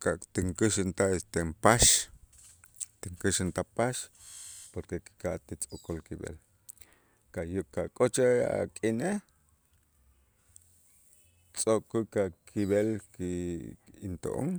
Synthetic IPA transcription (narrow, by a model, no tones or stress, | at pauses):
kat̪iŋkiʃint̪aest̪empaʃ | t̪iŋkɨʃint̪apaʃ | poɾkekikaʔt̪it͡sʼokolkibḛl | kajukakʼot͡ʃea̰kʼine | t͡sʼokukakʰiβelki | int̪o̰ʔo̰ŋ